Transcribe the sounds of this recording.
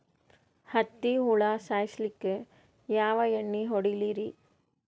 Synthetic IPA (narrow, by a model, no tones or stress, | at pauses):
hɐt̪ːiɦuɭasaːjislikːe | jaːʋɐjeɳːiɦoɽiliɾi